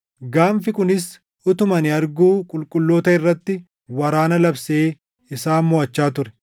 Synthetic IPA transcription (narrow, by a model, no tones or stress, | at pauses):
ɡaːmfɪkʊnɪs | ʊt̪ʊmɐnɪɐɾɡuːkʼʊlkʼʊlːoːt̪ɐɪrːɐt̪ːɪ | wɐɾaːnɐlɐbseː | ɪsaːmmɔɐt͡ʃːaːt̪ʊɾɛ̥